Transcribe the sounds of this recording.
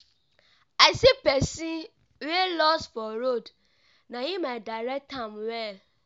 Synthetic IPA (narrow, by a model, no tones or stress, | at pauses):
aɪsipɛsĩ | welɔstfɔɾod | najimaɪdaɹɛk̚tãmwɛl